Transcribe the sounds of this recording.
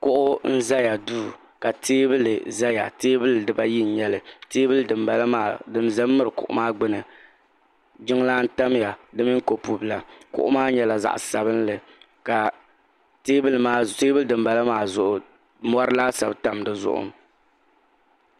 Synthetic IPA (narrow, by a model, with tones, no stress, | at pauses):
kʊ˦ʔʊ˦n̩˦za˦ja˨duː˦ | ka˨teː˦bɨ˦lɨ˨za˦ja̰˨teː˦bɨ˦lɨ˨dɨ˨ba˦ji˦n̩˨˦ɲɛ˦lɨ˨teː˦bɨ˦lɨ˦dɨ˨mba˨la˦maː˨dɨ˦n˦za˦mː˦ɨ˦ɾɨ˨kʊ̰˨ʔʊ̰˦maː˦ɡ͡bɨ˦nɨ˨ | d͡ʒɪ˦ŋ˦laː˦n̩˦ta˦m˦ja˨dɨ˦mi˦ŋ̩˦ko˨pu˦bla˨kʊ̰˨ʔʊ̰˦maː˦ɲɛ˦la˨za̰˨ʔsa˨bɨ˦nlɨ˨ | ka˨ | teː˦bɨ˦lɨ˦maː˦teː˦bɨ˦ldɨ˨mba˨la˦maː˨zʊ˨ʔʊ˨ | mɔ˦ɾɨ˦laː˦sa˨bta˨mdɨ˨zʊ̰˦ʔʊ̰˦m